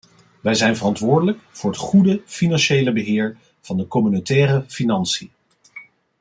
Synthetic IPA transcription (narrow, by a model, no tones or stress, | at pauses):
ʋɛjzɛjnvərɑntʋʊːɹdələkvʊːɹɦətχudəfinɑnʃejləbəɦɪːɹ | v̥ɑndəkɔmynotɛːrəfinɑnsi